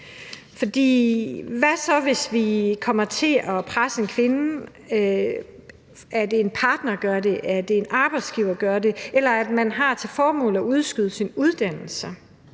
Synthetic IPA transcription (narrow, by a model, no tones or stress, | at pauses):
fɒ̽d̥ḭːʋæsɒ̽ʋe̝sʋikʰɒ̽m̰ɐt͡sʰe̝ʔɒ̽pʰʁasəe̝nkʰʋe̝n | æɐd̥e̝enpʰɑ̈ːd̥nɐɡ̥ɶɐde̝ʔæɐd̥e̝ːnʔɑ̈ːb̥ɑ̈ɪd̥sɡ̥iʊɐɡ̥ɶɐde̝elɐæd̥mænɦɑ̈t͡sʰe̝lfɒːmɔ̰ːl̩ˠɒ̽uð̞ˠsɡ̥yð̞ˠsinuð̞ˠd̥æn̰l̩sə